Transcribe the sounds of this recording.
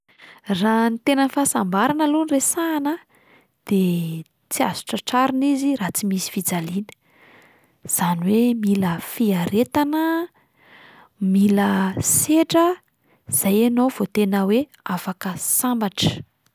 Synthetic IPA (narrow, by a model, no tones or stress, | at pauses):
ranit̪enənfasambaɾanəlunresaːnə | d̪̥e | t͡sia̰zu̥ʈ͡ʂəʈ͡ʂaɾinizirat͡simisi̥fid͡zalinə̥ | z̥aniwemiləfiaɾet̪anə | miləseʈ͡ʂə | z̥ajenov̥ot̪enəwe | afakəsambaʈ͡ʂə̥